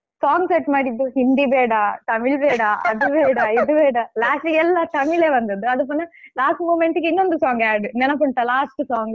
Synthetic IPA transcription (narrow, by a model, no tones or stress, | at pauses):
saːŋɡsɛʈːmaːɽid̪ːuhind̪ibeːɽaːt̪ɐmɪɭbeːɽaːʔɐ̰ðuʋeːɽaiðɯʋeːɽalaːsiɛlːat̪ɐmɪɭeːʋɐnd̪ɐd̪ɯɐðɯp̬oːnɐlaːsʈmuːmɛɳʈɯkːɪnːond̪ɯsaːŋɡaːɖɯnɛnːɐp̬ːɐɳʈːɐlaːsʈsaːŋɡ